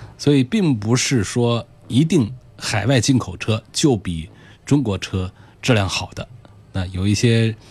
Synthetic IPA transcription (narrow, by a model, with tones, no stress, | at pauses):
swɔ˧˥i˨˩pi˥˩ŋpu˧˥ʂɻ̩˥˩ʂwɔ˥ | i˧˥t̪i˥˩ŋxa˨˩ɪwa˥˧ɪt͡ɕi˥˩nkʰo˨˩ʊʈ͡ʂʰɤ˥t͡ɕjo˥˩ʊpi˨˩˦ | ʈ͡ʂʊ˥ŋkwɔ˧˥ʈ͡ʂʰɤ˥ | ʈ͡ʂɻ̩˥˧ljɑ˥˩ŋxɑ˨˩ʊd̪ə˦ | na˥˩jo˨˩ʊi˥˩ɕjɛ˥